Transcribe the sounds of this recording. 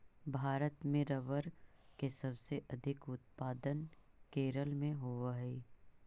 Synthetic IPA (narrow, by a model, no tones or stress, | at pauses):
bʱaːɾət̪mẽɾɐʋəɾkesɐbseʔɐd̪ʱɪkʊt̪̚paːd̪ən | keːɾəlmẽɦoaɦɛ